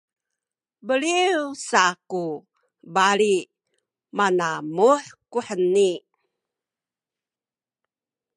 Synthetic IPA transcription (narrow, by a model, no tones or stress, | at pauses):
bəliusaku | bali | manamuħkuħəni